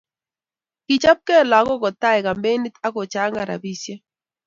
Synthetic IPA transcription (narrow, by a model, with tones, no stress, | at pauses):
ki˨t͡ʃa˦p̚kɛ˦˨la˨˦kɔ˦kɔ˨ta˦ɛ˨ka˨mbe˦ni˦ta˦ko˨t͡ʃa˦ŋɡa˨ɾa̰˨bi˦sje˦